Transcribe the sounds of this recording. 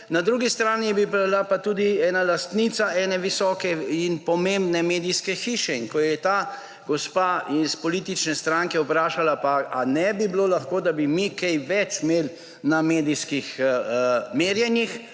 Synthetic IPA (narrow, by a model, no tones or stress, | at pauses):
nad̪ɾuːɡist̪ɾaːnibibalapat̪uːd̪iɛːnalast̪nit̪saʔɛːnɛʋisɔːkɛinpɔmẽmbnɛmeːd̪ijskɛxiːʃɛinkɔjɛt̪aː | ɡɔspaispɔliːt̪it͡ʃnɛst̪ɾaŋkɛwpɾaːʃalapaanɛbiblolaxkoːd̪abimikɛjʋɛt͡ʃmeːl | nameːd̪iskix | meːɾjɛnjix